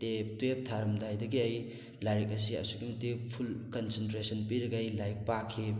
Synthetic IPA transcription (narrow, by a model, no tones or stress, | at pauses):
teptwep̚tʰaɾɐmdajdɐɡiɐj | laɾik̚ɐs̬iɐ̰suɡimɐtːipʰulkɐnsentɾesɐnpiɾɐɡɐjlajk̚pakʰːi